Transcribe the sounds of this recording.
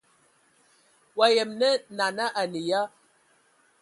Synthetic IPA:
wa˨jɛ˨mnɛ˦na˨na˦ʔa˨ni˨ja˦

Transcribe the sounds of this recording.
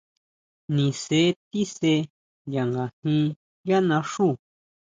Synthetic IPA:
nĩ˨se˨˦t̪i˦se˧˦ | ja˨ŋɡa˨hĩ˧˦ | ja˦nã˧ʂuː˦˨

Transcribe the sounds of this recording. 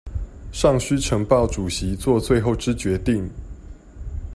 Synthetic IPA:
ʂɑ˥˨ŋɕy˥ʈ͡ʂʰɤ˧˥ŋpɑ˥˨ʊʈ͡ʂu˨˩ɕi˨˦t͡swɔ˥˧t͡swe˥˧ɪxo˥˨˩ʊʈ͡ʂɻ̩˦t͡ɕɥɛ˧˦t̪i˥˨˩ŋ

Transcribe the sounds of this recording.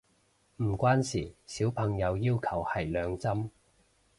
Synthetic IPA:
m̩˨˩kʷwaː˥nsiː˨˩siː˨˥wpʰɐ˨˩ŋjɐ˨˧wjiː˥wkʰɐ˨˩whɐ˨˩jlœː˨˧ŋt͡sɐ˥m

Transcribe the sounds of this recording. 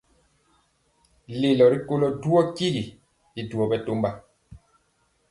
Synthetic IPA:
le˨lɔ˨ɾi˦ko˦lɔ˦du˦ɔ˦ki˦ɡi˨ | i˦du˨ɔ˨bɛ˦to˦mba˦˨

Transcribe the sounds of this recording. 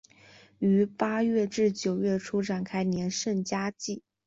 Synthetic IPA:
y˧˥pa˥ɥɛ˥˧ʈ͡ʂɻ̩˥˩t͡ɕjo˨˩ʊɥɛ˥˩ʈ͡ʂʰu˥ʈ͡ʂa˨˩nkʰa˥ɪnjɛ˧˥nʂə˥˩nt͡ɕja˥t͡ɕi˥˩

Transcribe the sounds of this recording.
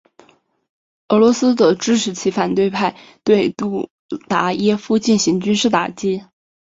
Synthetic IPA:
ɤ˧˥lwɔ˧˥sɹ̩˥d̪ə˨ʈ͡ʂɻ̩˥ʈ͡ʂʰɻ̩˧˥t͡ɕʰi˧˥fa˨˩nt̪we˥˧ɪpʰa˥˧ɪ | t̪we˥˧ɪt̪u˥˩ | t̪a˧˥jɛ˥fu˥˧t͡ɕi˥˩nɕi˧˥ŋt͡ɕy˥nʂɻ̩˥˩t̪a̰˨˩t͡ɕi˥

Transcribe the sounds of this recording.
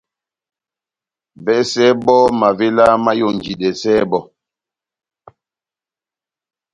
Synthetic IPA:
vɛ˦sɛ˦bɔ˦ma˨ve˦la˦ma˦jo˦˨nd͡ʒi˨dɛ˨sɛː˦bɔ˦˨

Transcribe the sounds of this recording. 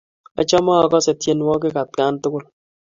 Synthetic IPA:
ɔ̰˨t͡ʃɔ˦maː˦˨kɔ˦sɛ˨tje˨nwɔ˦k̬ɪ˦ka˨t̚ka˦ntʊ˦kʊ˦l

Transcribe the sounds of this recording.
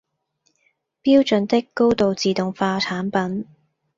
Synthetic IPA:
piː˥wt͡ʃɵ˨nt̪ɪ˥kːo˥wt̪o˨wt͡siː˨t̪ʊ˨ŋfaː˧t͡sʰaː˨˥npɐ˨˥n

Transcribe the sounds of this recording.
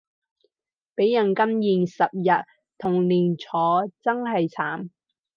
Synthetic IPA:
pe˨˥jːɐ˨˩nkɐ˥mjiː˨˩nsɐ˨p̚jɐ˨t̪̚ | t̪ʰʊ˨˩ŋliː˨˩nt͡sʰɔː˨˥t͡sɐ˥ŋɦɐ˨jt͡sʰaː˨˥m

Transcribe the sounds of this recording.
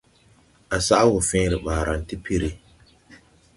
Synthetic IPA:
ʔa˨sa˦ʔa˦wʊ˨fɪ̃ː˦ɾɪ˨ɓaː˨ɾa˨n̩˨ti˦pʰi˦ɾi˦

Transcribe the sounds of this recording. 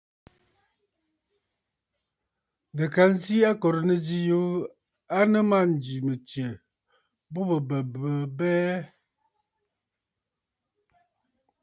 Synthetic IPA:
nə˨ka˨˦n˦si˦a˦kɔ˨ɾnə˦d͡ʒi˦jo˦ | a˦nə˦ma˦n̩˨d͡ʒi˨mə˨tje˨ | bo˦bə˨bə˨bə˨bɛ˦

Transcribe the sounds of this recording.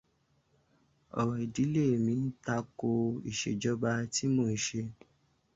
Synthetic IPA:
ɔ̰˨wɔ˨i˨di˨˦le˦˨mĩ˧n̩˦ta˧ko˧i˨ʃḛ˨d͡ʒɔ˦ba˧ti˦mõ˧˨i˨ʃe˧

